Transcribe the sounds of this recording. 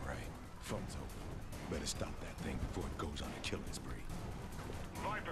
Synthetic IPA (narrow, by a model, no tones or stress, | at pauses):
ɹa̰ɪt̚ | fʌ̃nzo̰ʊ | b̥ɛɾɨstɑp̚ðɨt̪̚θɪ̃ŋbɨfɔɹɨt̚ɡ̥oʊzn̩tʰɨkʰɪlˠɨ̰̃zbɹḭ | vaɪp